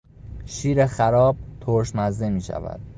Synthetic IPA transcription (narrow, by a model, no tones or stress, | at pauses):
ʃiːɾexæɾɒːb̚t̪ʰoɾʃnæzd̪emiːʃæ̰væ̰d̪̥̚